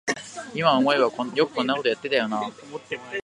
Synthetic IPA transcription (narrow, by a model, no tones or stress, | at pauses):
imaomo̞iβakojo̞kɯ̟̥kõ̞nːako̞t̪o̞jat̪ːe̞t̪ajo̞na